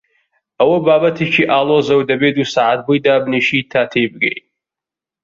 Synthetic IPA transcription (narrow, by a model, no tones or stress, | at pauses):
ɐwɐbaːbɐt̪ʰit͡ʃʰiʔaːlˠozɐwd̪ɐbeːd̪usaːʕat̪̚bujd̪aːbneʃit̪ʰaːt̪ʰeːbɨɡḛj